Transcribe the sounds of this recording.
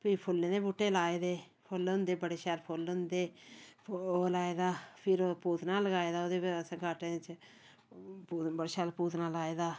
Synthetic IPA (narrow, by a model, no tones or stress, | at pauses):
piːpʰʊlːẽːd̪eːbuːʈːeːlaːeːd̪eː | pʰʊlʊ̃nd̪eːbəɽeːʃaːlpʰʊlʊnd̪eː | oːlaːeːd̪aːpʰɪɾoːpuːt̪ʰnaːləɡaːeːd̪aːoːd̪eːsə̃ɡaːʈet͡ʃ | puːbəɽeːʃaːlpuːt̪nãːlaːeːd̪aː